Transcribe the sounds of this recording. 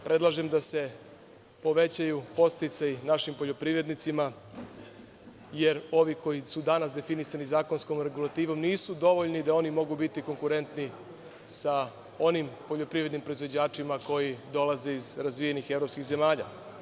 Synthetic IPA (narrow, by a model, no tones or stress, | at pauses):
pɾe̞d̪lˠaʒe̞md̪ase̞ | po̞ʋe̞t͡ɕajupo̞st̪it̪sajinaʃimpoʎo̞pɾiʋɾe̞d̪nit̪sima | je̞ɾo̞ʋiko̞jisud̪anas̬d̪e̞finisanizaːko̞nsko̞mɾe̞ɡulˠat̪iːʋo̞mniːsud̪o̞ʋoʎnid̪ao̞nimo̞ɡubit̪iko̞ŋkuɾe̞nt̪ni | sa | o̞nimpo̞ʎo̞pɾiʋɾed̪nimpɾo̞izʋo̞d͡ʑaːt͡ʂimako̞jid̪o̞laze̞izɾazʋije̞nixe̞vɾo̞pskiɣze̞maːʎa̰